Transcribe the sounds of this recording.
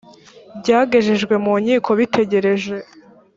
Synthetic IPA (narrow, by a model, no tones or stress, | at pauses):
bɟaːɡe̞ʒeʒɡwe̞muːɲiːkʰo̞βitʰe̞ɟe̞ɾe̞ʒe̞